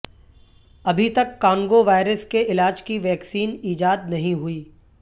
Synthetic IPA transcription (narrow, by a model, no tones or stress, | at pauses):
ɐbʱit̪ɐkːãːŋɡoʋaːɪɾəskeɪlaːd͡ʒkiʋɛːksiːniːd͡ʒaːd̪nɐɦĩɦʊiː